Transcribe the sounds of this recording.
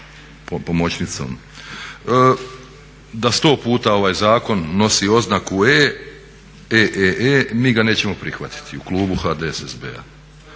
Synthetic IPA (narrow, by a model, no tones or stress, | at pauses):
popo̞mot͡ɕnit̪so̰mː | d̪ast̪o̞ːpuːt̪ao̞ʋajzaːko̞nːo̞sio̞znakueː | eʔeʔeːmiːɡane̞ːt͡ɕe̞mo̞pɾixʋat̪i̥t̪iuklˠuːbuxaːd̪esezbḛa̰